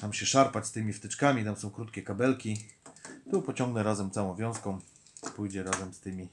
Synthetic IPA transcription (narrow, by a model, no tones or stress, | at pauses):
t̪amɕɛʂaɾpat͡ɕst̪ɘmʲift̪ɘt͡ʂkamʲit̪amsɔ̃w̃kɾut̪kʲɛkabɛlkʲi | t̪upɔt͡ɕɔ̃ŋɡnɛɾazɛmt̪sawɔ̃w̃vʲjɔ̃w̃skɔ̃ | pujd͡ʑɛɾazɛmst̪ɘmʲi